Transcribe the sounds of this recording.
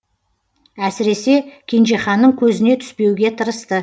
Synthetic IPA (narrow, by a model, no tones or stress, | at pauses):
æsɪɾe̞se̞kʲʰenʒeχɑnːəɴkʲʰɵzɪne̞t̪ʰʏ̥spe̞wɡʲe̞t̪ʰəɾəst̪ə